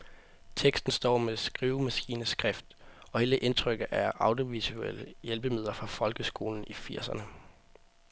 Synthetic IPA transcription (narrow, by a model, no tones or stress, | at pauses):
t͡sʰeɡ̥sd̥n̩sd̥ɒ̰ːmesɡ̥ʁiːʊmæsɡ̥ḭːnəsɡ̥ʁɛfd̥ | ɒ̽he̝ːləʔe̝nt͡sʰʁœɡ̥ð̩ˠæɐʔɑ̈ʊd̥io̝ʋisueləjelb̥əmið̞ˠlɐfʁɑ̈fɒ̽lɡ̥əsɡ̥o̝̰ːln̩ifiɐ̰sɐnə